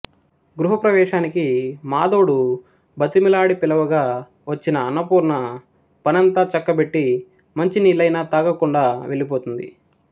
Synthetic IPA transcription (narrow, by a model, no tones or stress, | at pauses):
ɡɾuɦɐpɾɐʋɛːʂaːnikimaːd̪oːɽu | bɐt̪imilaːɽipilɐʋɐɡaː | ʋɐt͡ʃːinɐːnːɐpuːɾnɐ | pɐnɐnt̪aːt͡ʃɐkːɐbe̞ʈːi | mɐɲt͡ʃiniːlɐjnaːt̪aːɡɐkuɳɖaːʋe̞ɭlip̬oːt̪und̪ḭ